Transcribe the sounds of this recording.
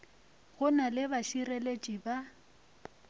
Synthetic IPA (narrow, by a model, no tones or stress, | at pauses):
ɣʊnalɪbaʃirelet͡ʃʼiba